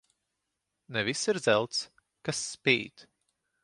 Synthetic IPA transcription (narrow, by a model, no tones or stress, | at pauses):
nɛvisːiɾd̪zɛlˠt̪s | kasːpʲiːt̪